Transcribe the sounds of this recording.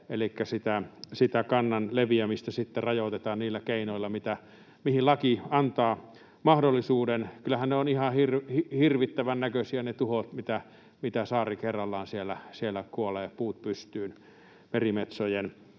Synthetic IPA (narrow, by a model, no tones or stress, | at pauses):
elikːæsit̪æsit̪ækɑnːɑnleʋiæmist̪æsit̪ːerɑjot̪et̪ɑːnniːlːækeinoilːɑmit̪æ | mihillɑkiɑnt̪ɑː | mɑhdolːisuːdenkylːˑæhænneonihɑhirhihirʋit̪ːæʋænnækøsiænet̪uhot̪mit̪æ | mit̪æsɑːrikerːɑlːɑːnsielːˑæsielːækuoleːpuːt̪̚pyst̪yːn | merimet̪sojen